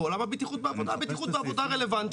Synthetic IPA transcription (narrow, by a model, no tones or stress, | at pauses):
olamabit̪iχut̪̚beavod̪abit̪iχut̪beavbo̞d̪aʁelevant̪